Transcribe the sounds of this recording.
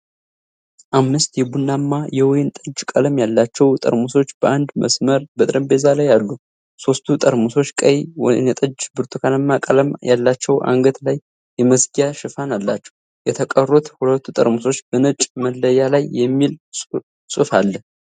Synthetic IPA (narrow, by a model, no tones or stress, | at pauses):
ʔamːɨst̪jɛbunːamːajɛwɔjɪnt̪ʼəd͡ʒkʼələmjalːat͡ʃːɛwt̪ʼə̰ɾmuso̞t͡ʃːb̥əʔand̪mə̰sməɾbət̪ʼɾəmbe̞zalajallːu | so̞st̪ʰut̪ʼəɾmuso̞t͡ʃːkʼəjw̰nət̪ʼəd͡ʒbɨɾt̪ʰukʰanəmːakʼələmjʔa̰lːat͡ʃːɛwʔa̰ŋɡət̪lajː | ɛməsɡijaʃɨfanalːat͡ʃːɛw | jɛt̪ʰəkʼərːot̪hulət̪ːut̪ʼə̰ɾmuso̞t͡ʃːbənət͡ʃʼməlːəjalajːɛmːil | sʼɨfalːə